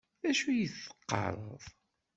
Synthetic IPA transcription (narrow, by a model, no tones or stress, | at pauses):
æʃujəθːə̥qːɑ̰ɾˤə̰ðˤ